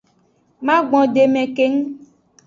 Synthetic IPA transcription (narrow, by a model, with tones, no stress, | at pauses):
mã˦ɡ͡bɔ̃˨ɖe˨mẽ˨ke˦ŋ̩˦